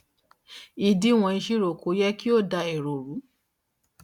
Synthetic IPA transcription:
i˧di˦w̃ɔ̃˧i˧ʃi˦ɾo˨kʰo˨˦jɛ˦ki˦o˦˨da˧e˨ɾo˨ɾu˨˦

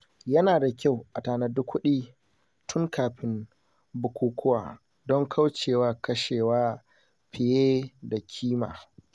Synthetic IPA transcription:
jɐ˦naː˨da˨kʲa˦˨wʔa˨taː˨na˦˨dʊ˦kʷːʊ˦ɗiː˦ | tʰʊ˦ŋkʰaː˨ɸɪ˦m | bʊ˨kʷuː˦kʷʰʊ˦wa̰ː˨ | dɔ˦ŋkʰa˦wt͡ʃeː˨waː˦kɐ˦ʃeː˨waː˦ | ɸɪ˨jeː˦da˨kʲʰiː˦ma̰ː˨

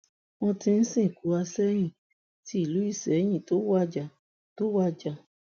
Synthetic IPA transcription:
wɔ̃˧tĩ˧n̩˦sĩ˦˨ku˨˦a˧sɛ˦j̃ĩ˦˨ | ti˦i˦˨lu˨˦i˦˨sɛ˨˦j̃ĩ˦˨to˦wa˦d͡ʒa˨ | to˦wa˦d͡ʒa˧˨

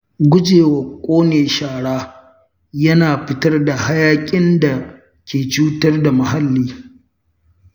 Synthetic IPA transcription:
ɡʷʊ˦d͡ʒeː˨wɐ˨kʷʼoː˦neː˨ʃaː˨ɽaː˦ | jɐ˦naː˨ɸɪ˦tɐ˦rda˨ha˦jaː˦kʲʼɪ˦nda˨ | kʲeː˨t͡ʃuː˦tɐ˦rda˨mɐ˨ha˦lːiː˦

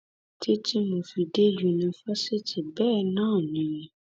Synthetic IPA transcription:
ti˦ti˦mũ˨fi˨de˦ju˨nũ˨fa˦se˦ti˨bɛː˦˨nãː˦˨nĩ˨

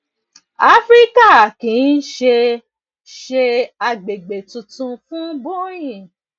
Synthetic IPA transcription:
a˦fɾi˦ka˦˨kĩ˨˦n̩˦ʃe˧ | ʃe˧a˧ɡ͡be˨ɡ͡be˨tũ˧tũ˧fũ˦bo˦ɾ̃ĩ˦˨

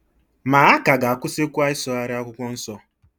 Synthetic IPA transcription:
ma˨a˦ka˨ɡa˨a˨kʷʊ˦sɪ˦kʷa˦ɪ˦sɔ˦a˦ɾɪ˦a˦kʷʊ˦kʷɔ˦n̩˦sɔ˦

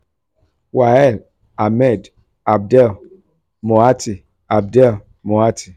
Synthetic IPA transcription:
wa˨ɛ˦˨l | a˨mɛ˦˨d | a˨b̚dɛ˦˨l | mo˨a˦ti˨ | a˨b̚dɛ˦˨l | mo˨a˦ti˨

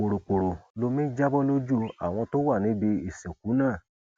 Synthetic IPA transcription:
k͡po˨ɾo˨k͡po˨ɾo˨lo˧mĩ˦d͡ʒa˦bɔ˦lo˦d͡ʒu˦˧a̰˨w̃ɔ̃˧to˦wa˦˨nĩ˨˦be˧i˨sɛ˨k̚u˨˦nãː˦˨

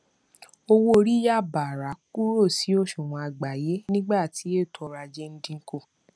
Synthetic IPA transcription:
o˧wo˦o˧ɾi˦ja˦˨ba˨ɾa˨˦ku˦ɾo˦˨si˨˦o˦ʃũ˨wɔ̃˨˧a˧ɡ͡ba˨je˨˦nĩ˦ɡ͡ba˦˨ti˨˦e˦˨tʰɔ˧ɾa˧d͡ʒe˦n̩˦dĩ˧ŋ̩˦ko˦˨

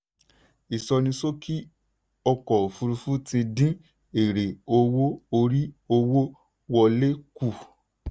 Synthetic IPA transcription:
i˨sɔ˧nĩ˧so˦kʰi˦ | ɔ˧kɔ˨fu˧ɾu˧fu˦tĩ˧dĩ˦ | e˨ɾe˨o˧wo˦o˧ɾi˦o˧wo˦ | wɔ˧le˦ku˦˨

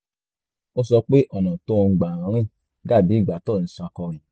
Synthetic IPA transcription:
o˧sɔ˧k͡pe˦ʔɔ˦˨nã˨to˦˧˨ɡ͡ba˨ɾã˨˦ɾ̃ĩ˦˨ | ɡa˦˨bi˨˦˨ɡ͡ba˨tɔ˦˨ñ̩˨˦sã˧kɔ˧ɾĩ˨

